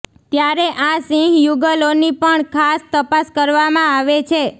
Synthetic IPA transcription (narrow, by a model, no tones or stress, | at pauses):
t̪jaɾeʔasĩɡjuɡəlonipəɳkʰast̪əpaskəɾʋamãaʋet͡ʃʰe